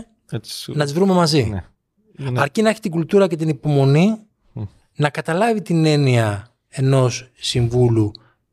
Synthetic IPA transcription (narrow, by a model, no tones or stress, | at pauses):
nɐt̪izvɾume̞mɐzi | ɐɾcinɐeçi̥t̪iɡult̪uɾɐce̞t̪̬inipo̞mo̞ni | nɐkɐt̪ɐlɐvit̪ine̞niɐ | e̞no̞ssiɱvulu